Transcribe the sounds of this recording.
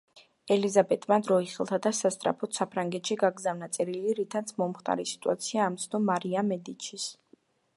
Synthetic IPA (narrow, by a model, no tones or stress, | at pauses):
ɛlizabɛt̪ʼmad̪ɾɔiχilˠt̪ʰad̪asast̪ʼɾa̰pʰɔt̪ʰsapʰɾaŋɡɛt̪ʃiɡaɡzavnat̪sʼɛɾiliɾit̪ʰat̪sʰmɔmχt̪ʼa̰ɾisi̥t̪ʼuat̪sʰiaːmt̪sʰnɔmːaɾiamɛd̪it͡ʃʰis